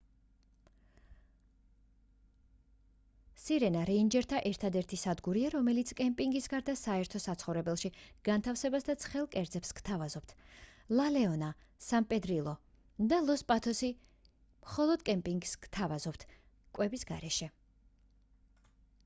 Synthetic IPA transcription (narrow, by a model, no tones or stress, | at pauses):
siɾɛnaɾɛind͡ʒɛɾt̪ʰaʔɛɾt̪ʰad̪ɛɾt̪ʰisad̪ɡuɾiaɾɔmɛlit̪sʰkʼɛmpʼiŋɡisɡaɾd̪asaɛɾt̪ʰɔsat̪sʰχɔvɾɛbɛlˠʃiɡ̥ant̪ʰafsɛbasd̪at̪sʰχɛlˠkʼɛɾd̪zɛpskt̪ʰavazɔp̚t̪ʰlˠalɛɔna | sampʼɛd̪ɾilˠɔ | d̪alˠɔspʼat̪ʰɔsi | mχɔlˠɔd̪kʼɛmpʼiŋɡskt̪ʰavazɔpt̪ʰ | kʼwɛbisɡaɾɛʃɛ